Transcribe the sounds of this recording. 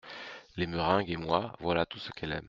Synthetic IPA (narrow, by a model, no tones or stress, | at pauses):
lemyʁɛ̃ɡemwavwalat̪usə̥kʰɛlɛ̰m